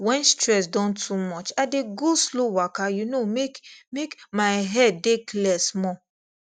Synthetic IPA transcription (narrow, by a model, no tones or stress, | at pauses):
wɛ̃nstɹɛs̬dɔ̃ntʰumɔt͡ʃadeɡuslowakajunomekmekmaɪɦɛd̚ːeklɛsmɔ̃